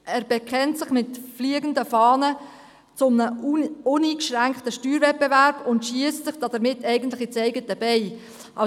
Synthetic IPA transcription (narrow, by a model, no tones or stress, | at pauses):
æːɾb̥ɛkʰɛntsɪχmɪtfliəɡəndəfɑːnə | t͡sʊmnəʊniːkʃʁæŋkχtəʃtyːɾvɛt̚bevæɾbʊntʃiəstt͡sɪχd̥ɑd̥əɾmɪtːɛɪɡən̩tlɪχɪt͡sɛɪɡətːəb̥ɛɪ | ɑ